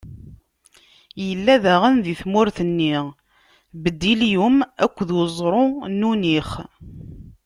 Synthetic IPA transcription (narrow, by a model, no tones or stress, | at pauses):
jəlːæðæʁənðiθmʊɾθənːi | bəd̪ːiljumækʷːðwzˤɾˤonuniχ